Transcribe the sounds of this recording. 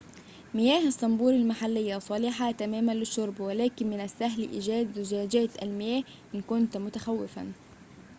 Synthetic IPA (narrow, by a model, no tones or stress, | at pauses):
mɪjæːhɑsˤːɑmbuːɾɪlmaħalːɪjːasˤɑliːħat̪amæːmanlɪʃːʊɾˤbwɪlæːkɪnmɪnasːaɦlḭʔɪ̰ːd͡ʒæːd̪zʊd͡ʒæːd͡ʒæːt̪almɪjæːh | ʔɪnkʊnt̪mʊt̪axawːɪfa̰n